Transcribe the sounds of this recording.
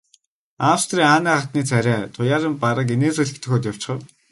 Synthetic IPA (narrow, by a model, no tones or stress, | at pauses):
awst̪riːŋaːnæːχat̪̚niːt͡sʰæɾʲæːt̪ʰʊjaːɾɪ̆mpaɾə̆k̬eneːt͡sɵɮɘ̆kt̪ʰɵ̆xoːt̪jaw̥t͡ɕɪ̥χə̆w